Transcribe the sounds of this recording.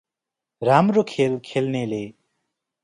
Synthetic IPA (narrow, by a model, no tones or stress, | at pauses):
ɾamɾokʰelkʰelnele